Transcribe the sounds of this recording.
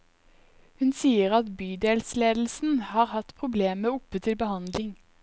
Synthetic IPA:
hʉnsiːəʁɑt̪byːd̪eːlsleːd̪l̩sn̩hɑːʁhɑt̪pʰʁʊbleːməʊpət̪ʰɪlbəhɑnd̪lɪŋ

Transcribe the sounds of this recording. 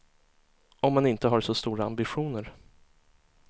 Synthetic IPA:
ɔmːanɪnt̪əɦaɾʂɔst̪uːɾaambɪɧuːnəɾ

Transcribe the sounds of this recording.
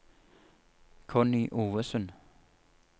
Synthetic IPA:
kʰɔniʔuːʋəsən

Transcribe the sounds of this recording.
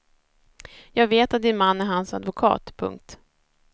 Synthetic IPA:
jɑːɡveːt̪at̪̚d̪ɪnmanːæɾɦansad̪vʊkʰɑ̰ːt̪pʰɵ̰ŋk̚t̪

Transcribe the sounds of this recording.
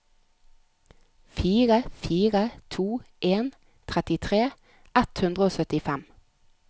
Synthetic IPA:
fiːʁəfiːʁət̪ʰuːʔeːn | t̪ʰʁɛt̪ɪt̪ʰʁeː | ɛt̪hʉnd̪ʁəoːsœt̪ɪfɛm

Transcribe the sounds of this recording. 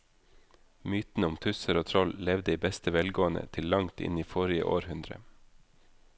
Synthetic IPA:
myːt̪n̩əʊmt̪ʰʉsəɾoːt̪ʰɾɔllɛʋd̪əiːbɛst̪əʋɛlɡoːənə̰t̪ʰɪllɑŋt̪ʰɪ̰niːfɔɾɪə̰ʔo̰ːɾhʉnd̪ɾə̰

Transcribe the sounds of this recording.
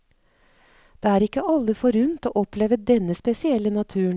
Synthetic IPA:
d̪̥eːæːɾɪkːəʔɑlːəfɔɾʉnt̪o̰ːʔɔpleːʋəd̪ɛnːəspɛsɪɛlːənɑt̪ʰʉːɳ

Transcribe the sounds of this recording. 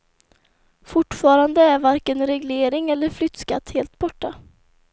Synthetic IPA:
fʊʈːfɑːɾand̪əæɾvaɾkənɾɛɡleːɾɪŋɛlːəɾflʏt̪ːska̰t̪heːlt̪bɔʈːa

